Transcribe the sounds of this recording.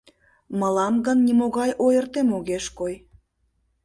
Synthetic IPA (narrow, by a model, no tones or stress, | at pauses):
məlɑmɣənːimoɣɑjʔojərt̪emoɣeʃkoj